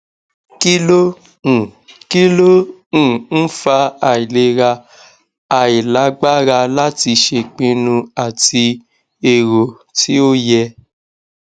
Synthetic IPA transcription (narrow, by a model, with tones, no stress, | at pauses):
ki˦lõ˦˨ | ki˦lõ˦˨ | n̩˦fa˧a˨i˨le˧˦ɾa˧ | a˨i˨la˨˦ɡ͡ba˦ɾa˧la˦ti˧ʃe˧˨k͡pĩ˧nũ˧a˨ti˧ | e˨ɾo˨ | tʰi˦o˦jɛ˧